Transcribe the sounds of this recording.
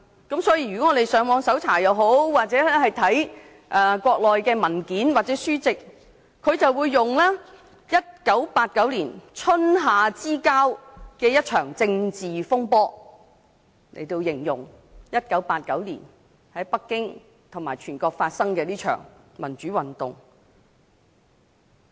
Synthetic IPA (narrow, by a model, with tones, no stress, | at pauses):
kɐ˨˥msɔː˨˥ji˧ɥy˨kɔː˨˥ŋɔː˨˧d̪e˨˩jsœː˨˥ŋmwɔː˨˧ŋsɐ˨˥wt͡sʰaː˨˩jɐ˨˧wɦo˨˥wwaː˨t̚t͡sɛː˨˥ɛ˥hɐ˨jt̪ʰɐ˨˥j | ʔɐː˧kʷɔː˧k̚lɔː˨jkɛː˧mɐ˨˩nkiː˨˥nwaː˨t̚t͡sɛː˨˥syː˥t͡sɪ˨k̚ | kʰːɵ˨˧ɥt͡sɐ˨wuː˨˧jːʊ˨ŋlaː˥ | jɐ˥t̚kɐ˨˥wpaː˧t̚kɐ˨˥wliː˨˩nt͡sʰɵ˥nɦaː˨˧t͡siː˥kaː˥wkɛː˧jɐ˥t̚t͡ʃʰœː˨˩ŋt͡sɪ˧ŋt͡siː˨fʊ˥ŋpɔː˥ | lḛ˨˩jt̪o˧wjɪ˨˩ŋjʊ˨˩ŋ | jɐ˥t̚kɐ˨˥wpaː˧t̚kɐ˨˥wlḭː˨˩n | hɐ˨˥jpɐ˥kːɪ˥ŋ | t̪ʰʊ˨˩ŋma̰ː˨˩jt͡ʃʰyː˨˩nkɔː˧k̚faː˧t̚sɐ˥ŋkɛː˧liː˥t͡ʃʰœ̰ː˨˩ŋ | mɐ˨˩nt͡ʃyː˨˥wɐ˨˩nt̪ʊ̰˨ŋ